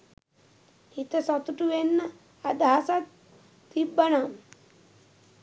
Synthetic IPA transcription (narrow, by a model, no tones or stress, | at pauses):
hit̪əsɔt̪uʈuʋenːə | ad̪aɦasat̪ː | ibːənam